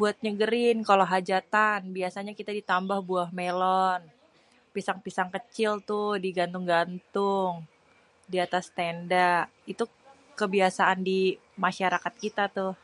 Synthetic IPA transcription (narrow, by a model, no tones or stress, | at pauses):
buat̪̚ɲəɡəɾɪnkaloɦad͡ʒat̪anbiasaɲakit̪adit̪ambahbuahmelɔn | pisaŋpisaŋkət͡ʃɪlt̪ʊhdiɡant̪ʊŋɡant̪ʊŋ | diat̪ast̪endaʔ | it̪u | kəbiasaʔandi | maʃaɾakat̪̚kit̪at̪ʊh